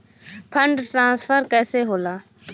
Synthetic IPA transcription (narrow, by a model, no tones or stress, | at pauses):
pʰəɳɖʈɾãːsfʰəɾkɛːseːɦoːlaː